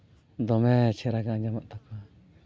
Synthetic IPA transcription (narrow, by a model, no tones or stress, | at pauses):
d̪omẽt͡ʃʰeɾakand͡ʒamãʔt̪aka